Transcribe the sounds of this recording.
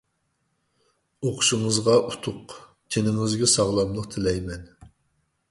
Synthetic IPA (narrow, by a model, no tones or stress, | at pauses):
oqʰʊ̥ʃɪŋəzʁɑʔut̪ʰʊq | t͡ʃʰenɪŋɪzɡʲɛsɑʁlˠɑmlˠəqt̪ʰɪlɛjmɛn